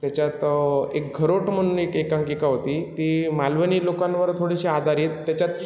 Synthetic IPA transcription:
t̪jat͡ɕjat̪ḛk̚ɡʱəɾoʈm̤əɽ̃unekekãŋkikaɦot̪iːt̪iːmalʋəniːlokãnʋəɾt̪ʰoɽiɕiad̪ʱaɾjet̪ːat͡ɕjat̪

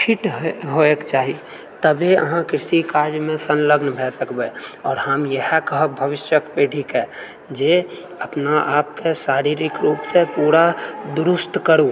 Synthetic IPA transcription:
pʰiʈɦɦoekt͡ʃaːɦi | t̪əbeə̰ɦãkɾɪsikaːɾd͡ʒmẽsənləɡnbʱɛːsəkbeɔːɾɦəmjəɦɛkəɦəbʱəʋɪʃjəkpeːʈʰikɦɛː | d͡ʒe | əpnaʔaːp̚kesaːɾiɾɪkɾuːpsepuːɾad̪ʊɾʊst̪kəɾu

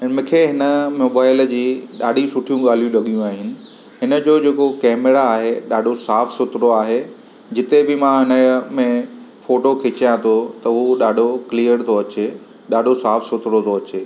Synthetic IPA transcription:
mũkʰeɦɪnə̆moːbaːɪld͡ʑiːɗaːɖʱisʊʈʰijũɠaːl̤ijũlɐɠijũaːɦɪnɪ̆ | ɦɪnə̆d͡ʑoːd͡ʑeːkokɛːmeɾaːɦeɗaːɖʱosaːfsʊt̪ɾoaːɦe | d͡ʑɪt̪ebɪmãɦɪnəmẽfoːʈokʰɪt͡ɕijãt̪ʰot̪ɐɦuɗaːɖʱoklijəɾt̪ʰoɐt͡ɕe | ɗaːɖʱosaːfsʊt̪ɾot̪ʰoɐt͡ɕeː

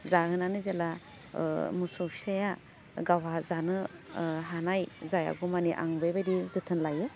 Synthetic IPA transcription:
zahɯnanɯzela̰ | musɔpʰi̥saja | ɡawazanɯɦanajzaja̰ɡumaniʔa̰ŋbɯjbadizɯtʰɯnlajɯ

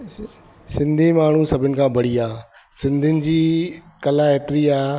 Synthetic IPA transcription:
sɪ̃nd̪ʱimaːɳ̤usɐbʱɪnɪ̆kʰãːbɐɽ̤iaː | sɪ̃nd̪ʱɪnɪ̆d͡ʑiːkɐlaeːt̪ɪɾiaː

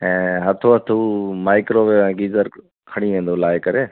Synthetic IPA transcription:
ɛ̃ːɦət̪ʰoːɦət̪ʰuːmaːɪkɾoːʋeːɛ̃ːɡiːzəɾ | kʰəɽ̃iːʋẽːnd̪oːlaːekəɾeː

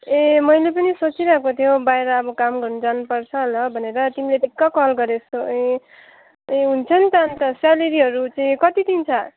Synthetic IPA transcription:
emʌjlepʌnisot͡siɾʌɦkot̪ʰjobaeɾʌːbʌkamɡʌrnud͡zanupʌrt͡sʰʌlʌbʱʌneɾʌt̪imileʈikːʌkʌlɡʌɾesoe | eɦunt͡sʰʌnt̪ʌnt̪ʌsaleɾiɦʌɾut͡saĩkʌt̪it̪imt͡sʰʌ

